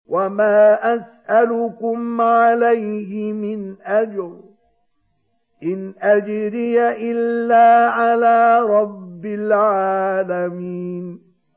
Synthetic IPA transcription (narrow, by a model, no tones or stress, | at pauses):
wamaːʔasʔalʊkʊmʕalajɦɪmɪnʔad͡ʒɾ | ʔɪnʔad͡ʒɾɪjaʔɪlːaːʕalaːɾˤɑbːɪlʕaːlamiːn